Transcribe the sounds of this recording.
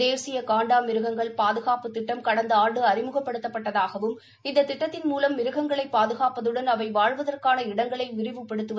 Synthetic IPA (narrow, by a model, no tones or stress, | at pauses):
eːsɪjɐkaːɳɖaːmɪɾɯɣɐŋɡɐɭpaːðɯɣaːpɯt̪ːɪʈːɐmkɐɽɐnd̪ɐaːɳɖɯɐɾɪmɯɣɐpːɐɽɯt̪ːɐpːɐʈːɐðaːɣɐʋɯm | ɪnd̪ɐt̪ːɪʈːɐt̪ːɪnmuːlɐmːɪɾɯɣɐŋɡɐɭɐɪpːaːðɯɣaːpɐðɯɽɐnɐʋɐɪʋaːɻʋɐðɐrkaːnɐɪɽɐŋɡɐɭɐɪʋɪɾɪʋɯpːɛɽɯt̪ːɯʋɐ